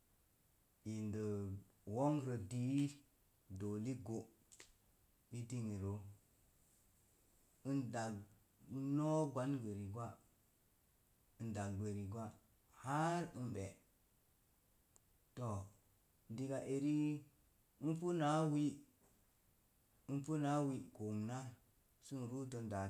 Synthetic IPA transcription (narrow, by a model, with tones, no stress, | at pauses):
i˨ndə˨ | wo˦ŋɾə˨di˦ | do˨li˦ɡo˨ | bi˦ti˦ŋi˨ɾo˦ | i˦nda˨ɡ | no˦ɡwa˦nɡe˨ɾi˨ɡwa˦ | i˨nda˨ɡɡe˨ɾi˨ɡwa˦ | ha˦ɾi˦nɓe˨ | to˨ | di˨ɡa˨ʔe˨ɾi˦ | i˦npu˦na˦wi˦ | i˦pu˦na˦wi˦ɡo˨ŋna˦ | su˦n˨ɾu˦to˦nda˨